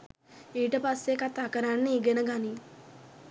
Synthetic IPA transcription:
iːʈəpasːekat̪akɐɾanːeiɡenɐɡani

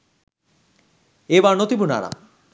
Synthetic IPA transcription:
ebaɾnot̪ibuna̰ɾa̰

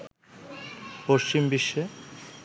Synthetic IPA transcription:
poʃt͡ɕimbiʃːe

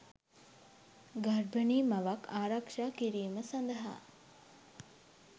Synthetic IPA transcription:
ɡɐɾbɐniːmɐʋɐkʰaːɾɐkʂaːkiɾiːməsɐnd̪ɐɦa̰ː

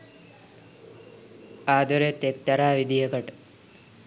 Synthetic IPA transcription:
aːd̪oɾet̪ekt̪aɾaːʋid̪ijəkəʈə

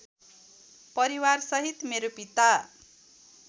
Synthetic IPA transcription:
pʌɾiwarsʌɦit̪meɾopit̪a

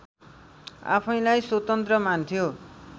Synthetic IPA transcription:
a̰pʰʌj̃lajswot̪ʌnt̪rʌmant̪ʰjo

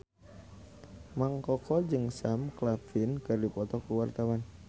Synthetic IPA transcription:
maŋkɔkɔd͡ʒɨŋsamklafinkɨrdipɔt̪ɔkuwart̪awan

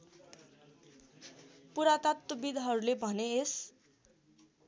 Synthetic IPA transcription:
puɾat̪at̪ːobid̪ʱɦʌɾulebʱʌnees

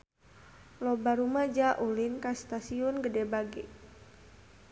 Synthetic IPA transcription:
lɔbaɾumad͡ʒaʔulinkast̪asiɔnɡədɛbaɡɛ

